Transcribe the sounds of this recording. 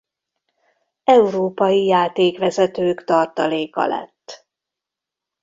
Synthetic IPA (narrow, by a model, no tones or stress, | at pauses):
ɛuɾoːpɒjijaːt̪eːkʋɛzɛt̪øːkt̪ɒrt̪ɒleːkɒ̰lɛ̰t̪ː